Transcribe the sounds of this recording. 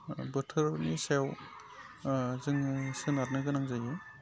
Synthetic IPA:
bɯtʰɯɾnisew | zɯŋsɯnaɾnɯɡɯnaŋzajɯ

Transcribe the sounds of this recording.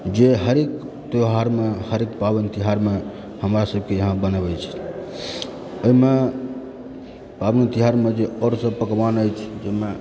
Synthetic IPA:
d͡ʒeɦəɾek | t̪oɦaɾmehəɾekpabənt̪iɦaɾme | həmɾasəb̚ʱkejəɦãbənəβɛt͡ʃʰɛ̥ | əɦime | pabənt̪iɦaɾmed͡ʒeɔɾsə̃pəkʋanəjt͡ʃʰd͡ʒeme

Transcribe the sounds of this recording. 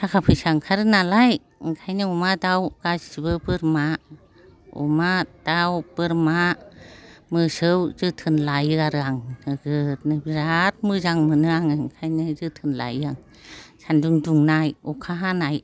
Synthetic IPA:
sʰakʰapʰɯsaŋkʰaɾɯnalaj | ŋkʰajnɯumadawɡ̥asiβɯbɯɾma | ṵmad̥awb̥ɯɾma | mɯsɯwzɯtʰɯnlajɯaɾɯaŋnɯɡɯtnɯbiɾat̚mɯzaŋmɯnɯaŋɯŋkʰajnɯzɯtʰɯnla̰jɯaŋ | sanduŋduŋnajɔkʰaɦanaj

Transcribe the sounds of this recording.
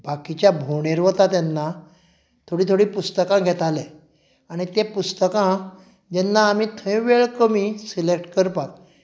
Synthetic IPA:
bakit͡ɕjabʱoɽeɾʋət̪at̪ɛnːa | t̪ʰoɽiːt̪ʰoɽiːpust̪əkãɡʱɛt̪ale | aɽ̃it̪ẽpust̪əkã | d͡ʑɛnːaːmiːt̪ʰə̃jʋeɭkəmisilek̚ʈkəɾpat̪

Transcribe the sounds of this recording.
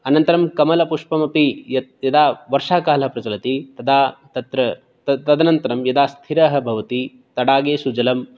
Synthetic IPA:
ɐnɐnt̪ɐɾɐmkɐmɐlɐpuʂpɐmɐpijɐjɐd̪aːʋɐɾʂaːkaːlɐɦɐpɾɐt͡ʃɐlɐt̪it̪ɐd̪aːt̪ɐt̪ɾɐ | ɐt̪ɐd̪ɐnɐnt̪ɐɾɐmjɐd̪aːst̪ʰiɾɐɦɐ̆bʱɐʋɐt̪i | t̪ɐɽaːɡeːsud͡ʒɐlɐm

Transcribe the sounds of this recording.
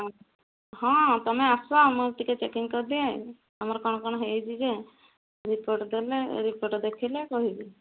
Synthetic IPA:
ɦɔ̃t̪ɔmɛasɔmuɾʈ̪iket͡ʃekiŋkɔɾd̪iẽ | amaɾkɔñɔkɔñɔɦejd͡ʒid͡ʒe | ɾipoʈd̪eleɾipoɾʈd̪ekʰilekɔɦibi

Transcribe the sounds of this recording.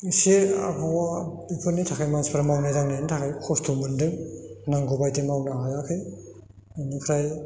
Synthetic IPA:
sea̰bʰawa | ipʰɯnitʰakʰajmanspʰaɾmawnajdaŋnantʰakʰajkʰɔstʰumɯndɯŋnaŋɡobajtemawnaɦajakʰɯj | anikʰɾaj

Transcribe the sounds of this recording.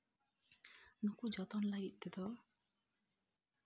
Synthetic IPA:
nukud͡ʒɔt̪ɔnlajid̪ed̪ɔ

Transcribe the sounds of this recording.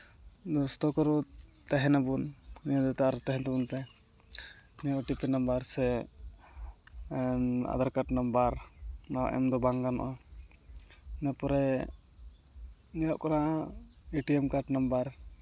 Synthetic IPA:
d̪ɔst̪ɔkɔɾut̪aɦɛnabunnijad̪ɛt̪aʔaɾɔt̪aɦɛnt̪ɛbunt̪ɛ | nijaʔʈipinambaɾsɛ | a̰d̪aɾkaʈnambaɾnawa̰ʔɛ̰md̪ɔbaŋɡanɔ̰ʔa | napɔɾɛ | nijaʔkana | iʈiɛmkaʈnambaɾ

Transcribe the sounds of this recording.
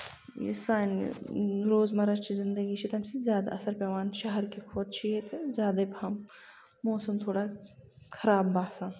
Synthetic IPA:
jḭsaːn | ɾoːzmɐɾɐt͡ʃʰizɪnd̪ɐɡit͡ʃʰit̪ɐmsizʲjaːd̪a̰ʔɐsɐɾpʲɐʋaːnʃɐɦɐɾkikʰoːt̪t͡ʃʰijet̪ʰzjaːd̪ɐbhɐmː | oːsɐmt̪ʰoːɽakʰɐɾaːbːaːsaːn

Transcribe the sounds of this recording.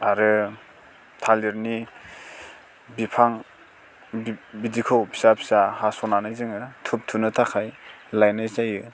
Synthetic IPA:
aɾɯ | tʰaliɾni | bipʰaŋ | bbidikʰɯwpʰi̥sapʰi̥sahasɔnanɯjzɯŋɯtʰup̚tʰunɯtʰakʰajlajnajzajɯ

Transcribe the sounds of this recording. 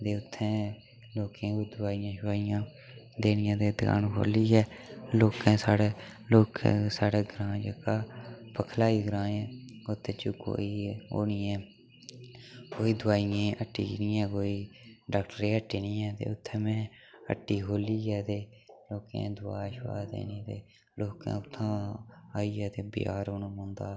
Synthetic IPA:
d̪eːʊt̪ʰːɛ̃ː | loːkɛ̃ːkod̪ʊaːijãːʃʊaːɪjãː | d̪eːnɪjãːd̪eːd̪ɡa̰ːnɦo̰ːliːɦɛːloːkɛ̃ːsaːɽeːloːkɛ̰̃ːsaːɽeːɡɾãːd͡ʒəːkaːpəkʰlaːiːɡɾãːɛːot̪ʰːẽːt͡ʃʊko̰ːiːo̰ːniːɛ̃ː | koːiːd̪ʊaːijẽːəʈːḭːnĩːɛ̃ːkoːiːɖaːk̚ʈəɾeːəʈːiːnĩːɛːt̪ḛːʊt̪ʰːɛ̃ːmɛ̃ː | ə̰ʈːiːɦoːliːɛːt̪eːloːkḛ̃ːd̪ʊa̰ːʃʋa̰ːd̪ḛːnĩːt̪eː | loːkɛ̰̃ːʊt̪ʰːãːaːiːɛːt̪eːbɪ̰ja̰ːɾoːñːmõːnd̪aː

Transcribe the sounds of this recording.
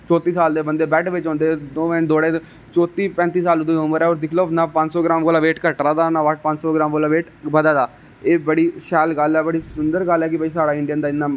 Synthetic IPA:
t͡ʃɔːt̪iːsaːld̪eːbənd̪eːbɛːʈʋɪt͡ʃɦõːnd̪eːd̪oːɛ̃ːd̪oːɽẽː | t͡ʃɔːt̪iːpɛ̃ːnt̪iːsaːlʊd̪õːʊməɾɛːɔːɾd̪ɪkʰloːnaːpə̃ɲt͡ʃsoːɡɾaːmkoːlaːʋeːʈkəʈɾaːd̪aːnaːʋəʈ̚ʰpə̃ɲt͡ʃsoːɡɪɾaːmkoːlaːʋeːʈ | bəd̪aːd̪aː | eːbəɽiːʃɛːlɡəlɛːbəɽiːsʊnd̪əɾɡəlɛːkɪbəiːsaːɽaːɪ̃ɳɖijənd̪aːɪnːãː

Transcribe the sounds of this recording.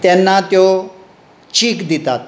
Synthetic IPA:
t̪jɛnːat̪jo | t͡ɕiːkd̪it̪at̪̚

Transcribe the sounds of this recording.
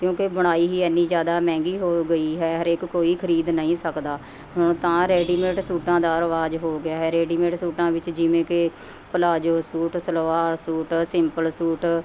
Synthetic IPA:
kjõːkebəɽ̃aːiːɦiːɛnːiːd͡ʒjaːd̪aːmɛ̃ːŋɡiːɦoːɡəiːɦɛːɦəɾeːkːoːiːkʰəɾiːd̪nəĩːsəkd̪aː | ɦʊɳ̃t̪ãːɾɛːɖiːmẽːʈsuːʈãːd̪aːəɾʋaːzɦoːɡɪaːɦɛːɾeːɖiːmẽːʈsuːʈãːʋɪt͡ʃd͡ʒɪʋẽːke | pəlaːd͡ʒoːsuːʈsəlʋaːɾsuːʈsɪmpəlsuːʈ

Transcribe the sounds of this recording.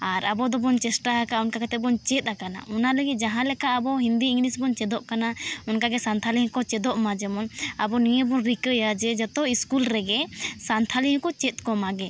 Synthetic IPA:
aɾabɔd̪ɔbɔnt͡ʃɛsʈaɦakaɔnkakat̪ɛbɔnt͡ʃɛt̪̚ʼˀakana̰ʔɔnaləɡit̪̚ˀd͡ʒaɦãlɛkaʔabɔɦind̪iiŋɡlisbɔnt͡ʃɛd̪ɔʔkanaɔnkaɡɛsant̪ʰaliɦɛ̃kɔt͡ʃɛd̪ɔʔmad͡ʒɛmɔnabɔnijəbɔnɾikəjad͡ʒɛd͡ʒat̪ɔiskulɾɛɡɛsant̪ʰaliɦɛ̃kɔt͡ʃɛt̪̚ˀkɔmaɡɛ

